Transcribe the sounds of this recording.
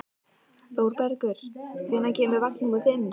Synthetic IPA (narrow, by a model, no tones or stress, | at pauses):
θowɾpɛɾkʏɾ̥vɪnːacɛːmʏɾvakniŋkʏθɪn